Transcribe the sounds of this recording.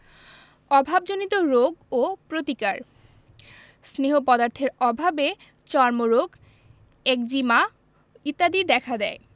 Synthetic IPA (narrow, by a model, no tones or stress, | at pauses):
ɔbʱabd͡ʑonit̪oɾoɡopɾot̪ikaɾ | sneɦopɔd̪aɾt̪ʰeɾɔbʱabe | t͡ɕɔɾmoɾoɡ | ek̚d͡ʑima | it̪ːad̪id̪ɛkʰad̪ɛe